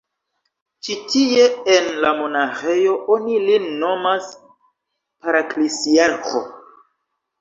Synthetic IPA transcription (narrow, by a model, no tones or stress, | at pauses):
t͡ʃitie̞enlamo̞naxe̞jo̞ʔo̞nilinːo̞mas | paɾaklisiaɾko̞̰